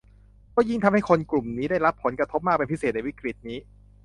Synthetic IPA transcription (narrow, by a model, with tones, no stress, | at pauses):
kɔː˥˩ji˥˩ŋt̪ʰa˧mha˥˩jkʰo˧nklu˨˩mniː˦˥daː˥˩jɾa˦˥pʰːo˩˦nkɾa˧t̪ʰo˦˥p̚maː˥˩pe˧npʰi˦˥se˨˩t̪̚na˧jwi˦˥kɾi˨˩t̪̚niː˦˥